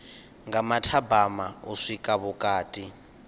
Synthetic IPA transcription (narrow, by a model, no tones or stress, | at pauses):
ŋɡamatʰabamauʂikʼaβukʼaːtʼi